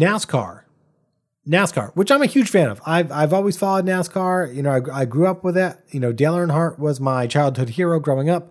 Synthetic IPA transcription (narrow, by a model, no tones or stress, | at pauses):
næskʰɑ̰ɹ | næskʰɑ̰ɹwɨt͡ʃãɪ̃mɨhjʉd̥ʒ̥fæ̃nʌ̰vaɪvaɪvɔlˠwiz̥fɑlˠoʊdⁿnæskʰɑɹjɨnoʊaɪaɪɡɹʉʌp̚wəðɪt̚jɨnoʊdeɪlˠə˞ɨ̃nɦɑɹʔ̚wʌzmaɪt͡ʃʰaɪlˠd̚hʊd̚hiɹoʊɡɹoʊɪ̃ŋʌp̚